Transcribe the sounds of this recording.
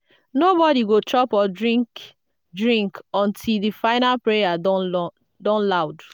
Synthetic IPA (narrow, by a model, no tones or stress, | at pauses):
nobɔdiɡotɔpɔdɹĩŋk | dɹĩŋkɔ̃ntʰildifaɪnalpɹeja | dɔ̃nlaʊd